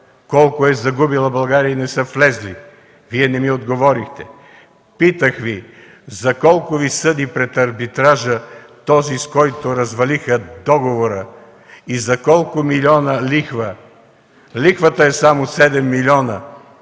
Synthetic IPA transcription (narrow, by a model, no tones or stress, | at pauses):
kɔlˠkʊɛzɐɡubilˠɐbɐlˠɡaɾiinɛsəflɛzli | viɛnɛmiod̪ɡovɔɾixt̪ɛ | pit̪əxvi | zɐkɔlˠkʊvisɤd̪ipɾɛt̪ɐɾbit̪ɾaʒət̪ɔziskɔjt̪oɾɐzvɐlixəd̪ɔɡovoɾə | izɐkɔlˠkʊmilʲiɔnəlixvə | lʲixvət̪əɛsamosɛd̪ɛmːilʲiɔnə